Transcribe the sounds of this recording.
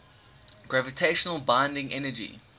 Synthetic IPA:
ɡ̥ɹavətʰeɪʃənəlˠbãɪ̃ndɪ̃ŋɛnəd͡ʒḭ

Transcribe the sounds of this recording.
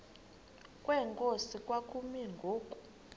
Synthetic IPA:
kʼwɛŋkʼosikʼwakʼumiŋɡʱoːkʼu̥

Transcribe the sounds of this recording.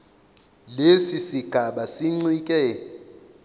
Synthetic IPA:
lesisiɡ̥ʱaɓasiŋ͡ǀiːkʼɛ

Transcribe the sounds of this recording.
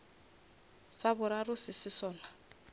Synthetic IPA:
sabʊɾarʊsɪsɪsɔːla

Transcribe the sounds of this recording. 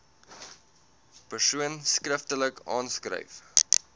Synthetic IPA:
pərsuənskrəftələkɑ̰ːnskrə̰jf

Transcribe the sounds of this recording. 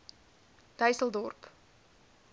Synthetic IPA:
d̥œjsəlˠdɔrp

